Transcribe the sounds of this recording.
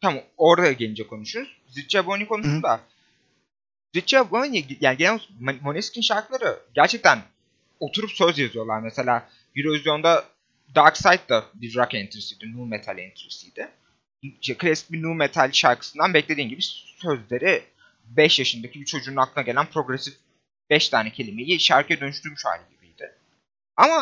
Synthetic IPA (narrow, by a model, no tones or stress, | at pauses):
t̪ʰamo̞ɾd̪ajaɟenid͡ʒɛkʰo̞nuʃuɾuz̥ | zit͡ʃɛbonʲikʰo̞nussund̪a | zit͡ʃɛaboniɟjaːniɟenɛmmo̞nʲɛscʲinʃaɾklˠaɾɯɟæɾt͡ʃʰɛc̚t̪ʰæn | o̞t̪ʰuɾupsøzjazɯyjo̞lˠaɾmɛse̞lʲaː | biɾovizjo̞nd̪a | d̪aɾksajt̪d̪ad̪id̪ɾakɛnt̪ʰɾisijd̪ɪnuːmet̪ʰalʲɛ̰nt̪ʰɾisijd̪̥ɪ | iʃt̪ɛkʰlʲesi̥binumet̪ʰalʲʃaɾkʰɯ̥sɯnd̪anbɛclʲe̞d̪iːnɟibisø̞zlʲe̞ɾɪ | bɛʃjaʃɯnd̪acʰibit͡ʃʰo̞d͡ʒuːnaklˠɯnaɡɟe̞lʲænpʰɾo̞ɡɾesif | bɛʃt̪ʰaːnɛcʰe̞lʲimejiʃaɾkʰɛd̪ønyʃt̪ʰyɾmyʃha̰jlʲɯɟibijd̪̥ɪ | ama